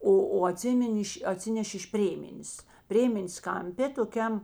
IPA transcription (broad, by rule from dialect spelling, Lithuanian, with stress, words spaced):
ˈoː oː ɐˈtʲsʲɪmʲɪnʲ ɪʃ ɐˈtʲsʲɪnʲɛʃʲeː ɪʃ ˈpʲrʲeːmʲɛnʲeːs ˈpʲrʲeːmʲɛnʲeːs kɐmʲˈpʲeː toːˈkʲɛm